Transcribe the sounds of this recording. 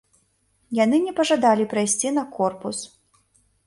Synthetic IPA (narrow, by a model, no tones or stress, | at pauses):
janɨnʲɛpɐʐad̪alʲipɾajsʲt͡sʲinɐkɔrpus